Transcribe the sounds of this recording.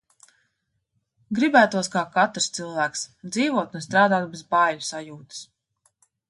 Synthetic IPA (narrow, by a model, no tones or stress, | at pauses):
ɡɾibæːt̪uɔskaːkat̪ɾst̪silˠvæːksd̪ziːvuɔt̪unst̪ɾaːd̪aːt̪̚bezbaːjusajuːt̪ɨ̥s